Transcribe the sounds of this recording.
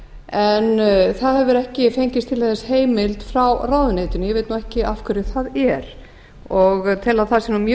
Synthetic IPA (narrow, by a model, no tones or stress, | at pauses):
ɛnθaðhɛvʏɾɛhcɪfejɲcɪst̪ʰɪlaθθɛsheːjmɪlt̪fɾawraːwðʏnejt̪ʏnjɛvejt̪nuɛhcɪʔafkʰʏɾɪθaðɛɾ̥ | ɔɣt̪ʰɪlaðθaðsɛmnumj